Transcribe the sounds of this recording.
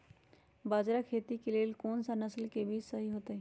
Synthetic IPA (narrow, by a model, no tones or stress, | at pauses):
baːd͡ʒɾakʰeːt̪ikeleːlkoːnsanɐslkebʱiːt͡ʃsɐɦiɦoːt̪aɦɛː